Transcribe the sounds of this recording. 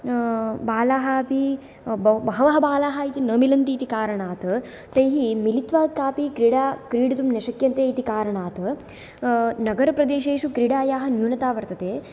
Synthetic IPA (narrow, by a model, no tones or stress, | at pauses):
baːlaːɦapi | bbɐɦɐʋɐɦɐ̆baːlaːɦɐit̪inɐːmilɐnt̪iːt̪ikaːɾɐɳaːt̪ɐ | t̪ɐjɦimilit̪ʋaːkaːpikɾiɽaːkɾiːɽɐt̪umneʃɐkjɐnt̪eːit̪ikaːɾɐɳaːt̪ | nɐɡɐɾɐpɾɐd̪eːʃeːʃukɾiɽaːjaːɦɐ̆njuːnɐt̪aːʋɐɾt̪ɐt̪eː